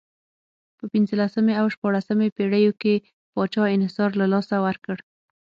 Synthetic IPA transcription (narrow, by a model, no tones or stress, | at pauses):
pəpinzəlasəmeawʃpɑɽasəmepeɽəjoke | pɑt͡ʃɑɪnhɪsɑɾlalɑsawaɾkəɽ